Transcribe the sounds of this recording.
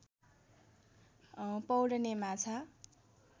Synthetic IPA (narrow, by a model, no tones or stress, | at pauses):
pʌwɽʌnemat͡sʰa